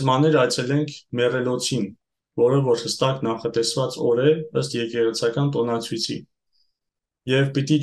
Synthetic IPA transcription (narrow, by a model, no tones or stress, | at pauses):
zmɑnɛɾɑjt͡sʰɛlɛŋkʰmɛrɛlɔt͡sʰin | vɔɾəvɔɾhəst̪ɑknɑχɑt̪ɛsvɑt͡sɔɾɛəst̪jɛkɛʁɛt͡sʰɑkɑnt̪ɔnɑt͡sʰujt͡sʰḭ | jɛvpit̪i